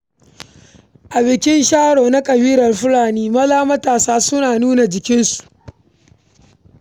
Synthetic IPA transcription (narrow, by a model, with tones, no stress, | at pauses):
ʔa˨bɪ˨kʲɪ˦nʃaː˦ɽoː˨na˦kʼɐ˨biː˦ɾɐ˨rɸʊ˦laː˨niː˦mɐ˦laː˦mɐ˦taː˨saː˦sʊ˦naː˨nuː˦na˨d͡ʒɪ˨kʲɪ˦nsu̥˨ʔ